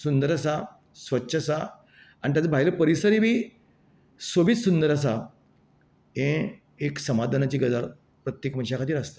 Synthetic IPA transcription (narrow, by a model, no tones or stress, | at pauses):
sund̪əɾasa | sʋətːɕʰəsa | anit̪jat͡sabʱajləpəɾisəɾibʱiː | sobit̪sund̪əɾas̬a | ɦẽ | eksəmad̪ʱanat͡ɕiːɡəd͡zaɾ | pɾət̪jekm̤ənɕakʰat̪iːɾast̪e̥